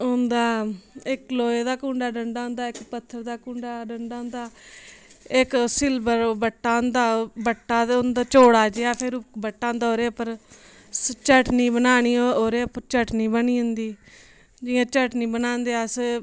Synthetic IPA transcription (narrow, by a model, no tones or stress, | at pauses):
ʊnd̪aːɪkloːeːd̪aːkũːɳɖaːɖəɳɖaːʊ̃nd̪aːɪkpət̪ʰːəɾd̪aːkũːɳɖaːɖəɳɖaːɦʊ̃nd̪aː | ɪksɪlbəɾbəʈːaːʊnd̪aːbəʈːaːʊnd̪aːt͡ʃoːɽaːd͡ʒeːaːpʰɪɾbəʈːaːʊ̃nd̪aːoːɾeːpəɾ | t͡ʃəʈniːbənaːniːoːɾeːpət͡ʃəʈniːbəniːɦʊnd̪iː | d͡ʒɪjãːt͡ʃəʈniːbənãːnd̪eːs